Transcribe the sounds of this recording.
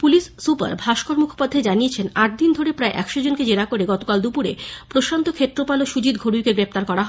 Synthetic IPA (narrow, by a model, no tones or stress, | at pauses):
puliʃːupa̰ɾbʱaʃkoɾmukʰo̥pad̪ʱːed͡ʑaniet͡ɕʰenaʈ̚d̪ind̪ʱoɾepɾaeʔɛkʃod͡ʑonked͡ʑeɾakoɾeɡɔt̪okald̪upuɾḛpɾoʃant̪okʰet̪ːɾopaloʃud͡ʑit̪̚ɡʱoɽujkeɡɾep̚t̪aɾkɔɾaɦe